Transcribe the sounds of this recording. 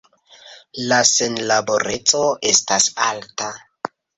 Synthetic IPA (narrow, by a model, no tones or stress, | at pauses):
lasenlabo̞ɾe̞t͡soestasa̰lta